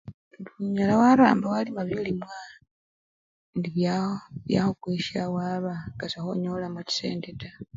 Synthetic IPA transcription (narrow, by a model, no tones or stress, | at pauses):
nduɲalawaɾa̰ːmbawalimaβilimwa | ndiβjaβja̰xokwiːʃawaːβaɡ̥asaxoɲolamaci̥sḛːndeta